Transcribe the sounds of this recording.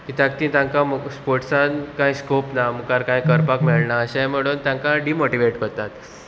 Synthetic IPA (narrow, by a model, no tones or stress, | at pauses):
kit̪jak̚t̪ĩt̪jãŋkaməspoɾʈsankãjskopnamukaɾkãjkəɾpakmeɭnaəɕɛ̃m̤əɽ̃uːnt̪jãŋkaɖimoʈiʋeʈkəɾt̪at̪